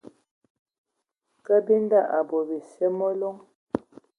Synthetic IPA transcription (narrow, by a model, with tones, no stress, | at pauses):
kə˦bi˦n˦da˦˨ʔa˨bɔ˨bi˨sjɛ˦mɔ˦lo˦ŋ